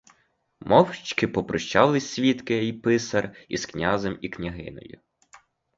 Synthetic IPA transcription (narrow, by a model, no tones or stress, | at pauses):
mʔɔwt͡ʃkɪpɔpɾɔʃt͡ʃɑlˠɪsʲʋʲit̪kɪipɪsɐrisknʲɑzemiknʲɐɦɪ̰nɔ̰jʊ̰